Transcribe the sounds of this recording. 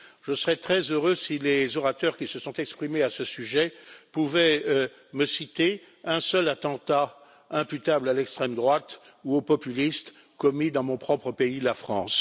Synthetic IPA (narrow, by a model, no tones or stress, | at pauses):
ʒ̥əsəʁɛt̪χɛzøʁøsilezɔʁat̪œʁkʲisəsɔ̃t̪ɛkspχimeasəsyʒɛpuvɛ | məsit̪e | ɛ̃sœlat̪ɑ̃t̪a | ɛ̃pyt̪ablalɛkst̪χɛmd̪ʁwat̪ | uopɔpylist̪ | kɔmid̪ɑ̃mɔ̃pχɔpχəpeilafχɑ̰̃ːs